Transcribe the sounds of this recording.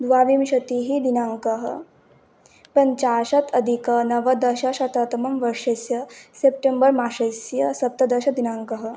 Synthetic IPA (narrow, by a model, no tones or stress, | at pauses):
d̪ʋaːʋimʃɐt̪iːɦid̪inaːŋkɐɦɐ̰ | pɐɲt͡ʃaːʃɐt̪ʰɐd̪ʱikɐnɐʋɐd̪ɐʃɐʃɐt̪ɐt̪ɐmɐmʋɐɾʂɐsjɐsep̚ʈembɐɾmaːʃɐsjɐsɐp̚t̪ɐd̪ɐʃɐd̪inaːŋkɐɦɐ̆